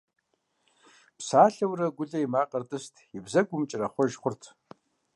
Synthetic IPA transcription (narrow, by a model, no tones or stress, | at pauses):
psaːɬɐwrɐɡʷʊɮɐjmaːqʼɐrtʼɨstʰjɪbzɐɡʷʊmt͡ʃʼɪrɐχʷɔʒχʷʊrtʰ